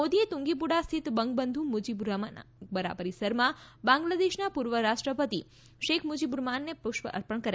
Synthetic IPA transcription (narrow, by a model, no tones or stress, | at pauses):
od̪iet̪ũŋɡip̬uɽast̪ʰit̪bəŋɡ̚bənd̪ʱũmud͡ʒibuɾamabəɾa̰bəɾisəɾmãbãŋɡlad̪eʃnapuɾʋəɾaʃʈɾəpət̪i | ʃekʰmud͡ʒibuɾmanːepʊʃʋə̰ʔə̰ɾpəɳkəɾ